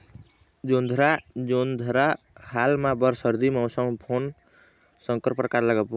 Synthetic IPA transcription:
d͡ʒond̪ʱɾad͡ʒond̪ʱɾa | halmãbʌɾsəɾd̪iməwsəŋpʰon | səŋkəɾpɾəkaɾləɡəp

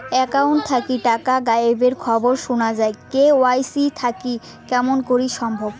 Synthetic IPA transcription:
ɛkawɳʈ̚t̪ʰakiʈakaɡaebeɾkʰɔboɾʃunad͡ʑaekeoajsit̪ʰaki | kɛmonkoɾiʃɔmbʱob

